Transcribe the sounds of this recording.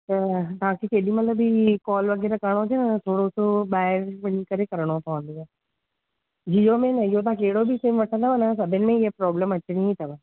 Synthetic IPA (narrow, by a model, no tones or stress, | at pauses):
t̪ət̪ãːkikeːliːmət̪ləbikɔːlʋəɡɛːɾakaɳ̃oːd͡ʒeːnt̪ʰoːɽosobaːjəɾpəɽikəɾeːkəɾɳõːpãːnd̪iɛː | d͡ʒijoːmẽːnəjoːt̪̬ãːkeːɽoːbʱiːseːmʋəsət̪aʋənas̬əbenmẽːjepɾɔːbləməʃnĩiːt̪əʋə